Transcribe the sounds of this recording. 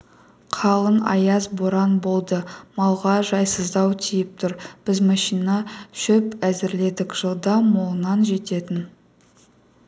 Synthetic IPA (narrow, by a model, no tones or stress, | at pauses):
qʰɑlˠənɑ̰jɑzboɾɑnbo̞lˠd̪əmɑlˠʁɑʒɑjsəzd̪ɑwt̪ʲʰijɪp̚t̪ʰʊɾb̥ɪzmɑʃijnɑʃʏpæzɪɾle̞d̪ɪkʒ̥əlˠd̪ɑmo̞lˠənɑnʒe̞t̪e̞t̪ɪn